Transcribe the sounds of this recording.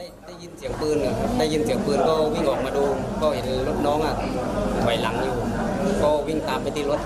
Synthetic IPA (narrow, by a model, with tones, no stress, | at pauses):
a˧˨da˧˩ji˧˩˨nsi˨˦əŋpɯː˧nʰ˧˩˧da˧˩˨ji˧˩nsi˨˦əŋpɯː˧nkɔː˧˩wi˧˩˨ŋʔɔː˨˩k̚maː˧doː˧kʰɔː˧˩he˨˦nlo˧˦˥t̪̚nɔː˧˦˥ŋʔa˧˩˧hʰɔ˨˩˦jla˨˩˦ŋjuː˧˩˧kɔː˧˩wi˧˩ŋt̪aː˨˩˨mːpa˧jt̪ʰiː˧˩lo˧˥t̪̚